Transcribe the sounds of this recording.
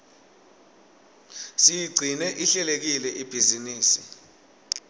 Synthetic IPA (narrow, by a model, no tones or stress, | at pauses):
sijiɡ͡ǀʱinɛʔiɬɛlek̬ilɛʔib̥ʱiziniːsḭ